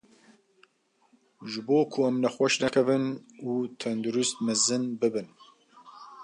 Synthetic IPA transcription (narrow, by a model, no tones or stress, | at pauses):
ʒɨboːkʰuɛmnɛxʷaʃnɛkʰɛvɨnuːt̪ʰɛnd̪uɾust̪̚mɛzɨnbɨbɨn